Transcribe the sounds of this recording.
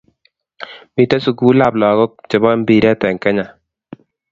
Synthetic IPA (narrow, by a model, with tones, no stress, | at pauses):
mi˨te˦su˨ɡu˦la˦˨plɔ˨ɡɔ˦k̚t͡ʃe˨bɔ˦mbi˨ɾɛ˦tɛ˨ŋkɛ˦ɲa˨